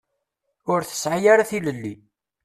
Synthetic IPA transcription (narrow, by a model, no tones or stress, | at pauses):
ʊɾθə̥sʕajaɾaθiləlːi